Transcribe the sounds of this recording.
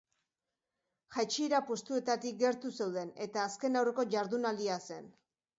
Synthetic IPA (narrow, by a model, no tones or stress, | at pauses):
ʝajt͡ʃiɾapo̞st̪ue̞t̪at̪ik̚ɡe̞ɾt̪use̞wð̞e̞ne̞t̪aːske̞nawre̞ko̞ʝaɾðunald̪iase̞̰n